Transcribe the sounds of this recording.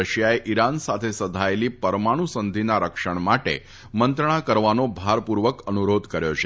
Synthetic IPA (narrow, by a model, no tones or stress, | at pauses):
əɕjaeʔiɾansat̪ʰesəd̪ʱajliːpəɾmaɽ̃usənd̪ʱinaɾəkʂəɳmaʈḛ | mənt̪ɾəɳ̃akəɾʋanobʱaɾpuɾʋəkənuɾod̪ʱkəɾjoɕe